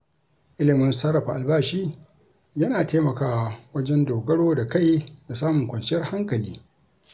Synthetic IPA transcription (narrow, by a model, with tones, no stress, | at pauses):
ʔɪ˦lɪ˨mɪ˦nsɐ˦ɾɐ˨ɸa˨ʔa˨lbaː˦ʃiː˦ | jɐ˦naː˨teː˦mɐ˨kaː˨wɐ˦d͡ʒɛ˦ndoː˨ɡɐ˦ɽoː˦da˨ka˦˨jda˨saː˦mʊ˨ŋkʷɐ˨nt͡ʃɪ˦jɐ˦rha˦ŋkɐ˨liː˦